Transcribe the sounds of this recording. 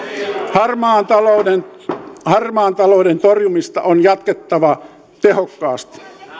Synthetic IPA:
hɑrmɑːnt̪ɑlodenhɑrmɑːnt̪ɑloˑːdent̪orjumist̪ɑʔonjɑt̪ket̪ːɑʋɑ | t̪ehokːɑːst̪i̥

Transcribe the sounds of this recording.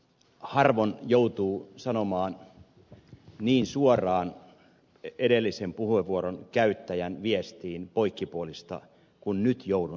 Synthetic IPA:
hɑrʋonjout̪uːsɑnomɑːn | niːnsuorˑɑːn | edelːisempuhueʋuoɾonkæyt̪ːæjænʋiest̪iːnpoikːipuolist̪ɑ̰ | kunnyt̪joudu

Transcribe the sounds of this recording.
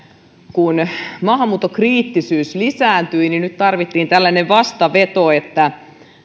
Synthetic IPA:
kunmɑɦmuːt̪ːokriːt̪ːisyːslisæːnt̪yininyt̪t̪ɑrʋit̪ːiːnt̪ælːæneʋʋɑst̪ɑʋet̪oet̪ːæ

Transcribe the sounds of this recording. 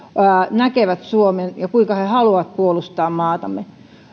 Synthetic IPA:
æːnækeʋæt̪suomenjɑkuiŋkɑhehɑluɑt̪̚puolust̪ɑːmmɑːt̪ɑmːe

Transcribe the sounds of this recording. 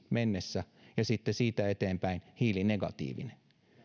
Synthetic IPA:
menːesːæ | jɑsit̪ːesiːt̪æet̪eːmpæinhiːlineɡɑ̰t̪ḭːʋḭne

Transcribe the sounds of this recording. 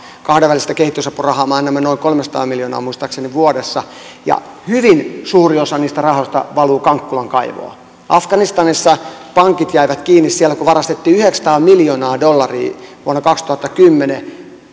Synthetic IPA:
kɑhdeʋælist̪ækehit̪ːysɑpːurɑhɑːmɑːnːæmːænoiŋkolmesɑt̪ɑ̰ːmmiljonɑ̰ːmuist̪ɑkseniʋuodesːɑ | jɑ̰hyʋinsuːriosɑniːst̪ærɑhost̪ɑ̰ʋɑluːkɑŋkːulɑŋkɑiʋo̰ɑ̰ | ʔɑfɡ̥ɑnist̪ɑnisːɑpɑŋkit̪jæiʋæt̪kiːnːissiælːækuʋɑrɑst̪et̪ːiːyheksɑ̥t̪ɑːmiljonɑːdolːɑrḭːʋuonːɑkɑkst̪uhɑt̪ːɑkymːene

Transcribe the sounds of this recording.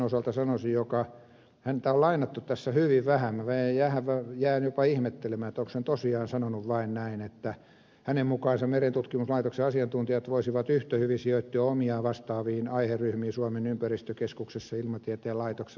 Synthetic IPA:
osɑlt̪ɑsɑnosijjokɑ | hænt̪æolɑinɑt̪ːut̪t̪æsːæhyʋiʋʋæhæmæʋeijjæhæʋʋæjæːnjopɑihmet̪ːelemæːet̪ːoksent̪osiɑːnsɑnonuʋʋɑinnæinet̪ːæ | hænemmukɑːnsɑmmerent̪ut̪kimuslɑit̪okseɑsiɑnt̪unt̪ijɑt̪ʋoisiʋɑt̪yht̪æhyʋisioit̪ːiɑomiɑːʋɑst̪ɑːʋiːnɑiherryhmiːsuɑmenympærist̪økeskuksesːɑilmɑt̪iæt̪eːlɑit̪okse

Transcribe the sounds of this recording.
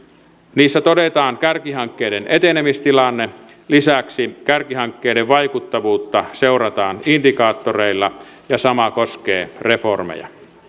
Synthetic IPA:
niːsːæt̪odet̪ɑːŋkærkiɦɑŋkːeːdenʔet̪enemist̪ilɑnːe | lisæksikærkiɦɑŋkːeːdeʋʋɑjkut̪ːɑʋuːt̪ːɑseurɑt̪ɑːnindikɑːt̪ːoreilːɑ | jɑsɑmɑkoskḛːre̞formḛjɑ̰

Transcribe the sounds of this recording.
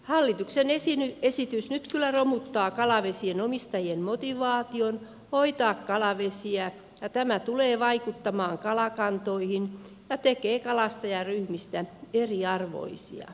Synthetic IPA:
hɑlːit̪uksenesinyesit̪ysnyt̪kylːæromut̪ːɑːkɑlɑʋesienomist̪ɑjiemmot̪iʋɑːt̪ion | hoit̪ɑːkkɑlɑʋesiæ | jɑt̪æmæt̪uleːʋɑikut̪ːɑmɑːŋkɑlɑkɑnt̪oihin | jɑt̪ekeːkɑlɑst̪ɑjɑryhmist̪æeriɑrʋo̰isḭɑ̰

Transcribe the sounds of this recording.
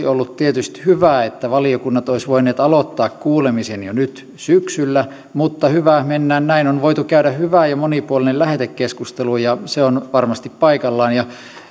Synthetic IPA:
olːut̪t̪iet̪yst̪hyʋæˑet̪ːæʋɑliokunːɑt̪oisʋoineːt̪ɑlot̪ːɑːkkuːlemisenjonyt̪ | syksylːæ | mut̪ːɑhyʋæhmenːæːnnæinonʋoit̪ukæyɾæhyʋæˑjɑmonipuolinellæhet̪ekkeskust̪elujɑseonʋɑrmɑst̪ippɑikɑlːɑːnjɑ

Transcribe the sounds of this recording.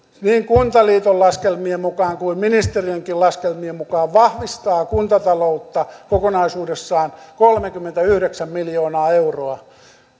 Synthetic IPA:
niːŋkunt̪ɑliːt̪ollɑskelmiemmukɑːŋkuimminist̪erieŋkilɑskelmiemukɑːʋʋɑhʋist̪ɑːkunt̪ɑt̪ɑlout̪ːɑkokonɑisuːdesːɑːnkolmekymːent̪æyhɾeksæmmiljoːnɑːeuroɑ

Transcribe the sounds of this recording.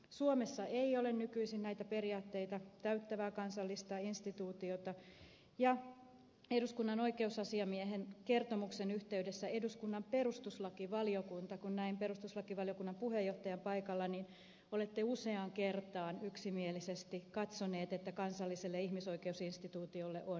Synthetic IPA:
suomesːɑʔeiolennykyisinnæit̪æperiɑːt̪ːe̞it̪ɑt̪æyt̪ːæʋæːkɑnsɑlːist̪ɑinst̪it̪uːt̪iot̪ɑ | jɑ | eduskunːɑno̞ikeusɑsiɑmieɦenkert̪omuksenyht̪eydesːæeduskunːɑmperust̪uslɑkiʋɑliokunt̪ɑkunnæimperust̪uslɑkiʋɑlijokunːɑmpuhejːoht̪ɑjɑmpɑikɑlːɑnin | olet̪ːeuseɑŋkert̪ɑːnyksimielisest̪ikɑt̪soneːt̪et̪ːækɑnsɑlːiselːeihmisoikeusinst̪it̪uːt̪iolːḛʔon

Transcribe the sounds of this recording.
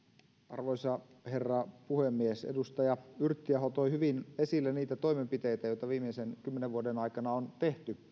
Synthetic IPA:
ɑ̰rʋoisɑ | herːɑpuhemːiesḛdust̪ɑjɑyrt̪ːiæɦot̪ojhyʋinesilːeniːt̪æt̪o̞imempit̪ejt̪æjo̞it̪ɑʋiːmˑeisenkymːeneʋʋuodenɑikɑnɑont̪e̞ht̪y

